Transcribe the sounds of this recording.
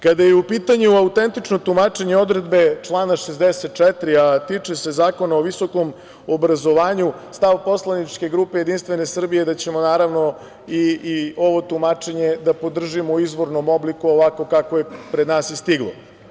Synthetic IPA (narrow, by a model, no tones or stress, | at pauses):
kad̪ajeupiːt̪aɲuaut̪e̞nt̪it͡ʃno̞t̪umat͡ʃe̞ɲeo̞d̪ɾe̞d̪be̞t͡ʂlˠaːnaʃezd̪ese̞t̪̚t͡ʃɛt̪ɾiat̪iːt͡ʂe̞se̞zaːko̞naoʋiso̞ko̞m | obɾazo̞ʋaːɲust̪aʋpo̞slˠanit͡ʃke̞ɡɾuːpe̞je̞d̪inst̪ʋe̞ne̞sr̩bijed̪at͡ɕe̞mo̞naːɾaʋno̞ | io̞ʋo̞t̪umat͡ʂe̞ɲe̞d̪apo̞d̪r̩ʒimouizʋo̞ɾnomo̞blikuoʋako̞kakojepɾed̪naːsist̪iɡlˠo̰